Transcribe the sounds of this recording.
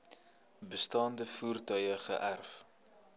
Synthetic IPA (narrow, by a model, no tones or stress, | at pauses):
bəstɑːndəfuːrtœjəχə̰ʔærf